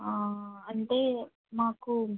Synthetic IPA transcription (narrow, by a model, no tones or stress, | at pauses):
aːɐɳt̪eː | maːku